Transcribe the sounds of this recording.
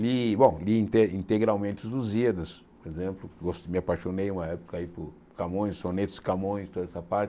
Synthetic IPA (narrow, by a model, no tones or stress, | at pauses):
libõw̃liĩnt̪eĩnt̪eɡɾawmẽnt̪ɪzʊziɐd̪ɐs | poɾezẽmplʊɡost̪mɪapaʃonejũmɐɛpʊ̥kɐipʊ | kamõj̃sːonet̪ɪ̥sɪ̥kamõj̃st̪od̪ɐɛsɐpaɾt͡ʃɪ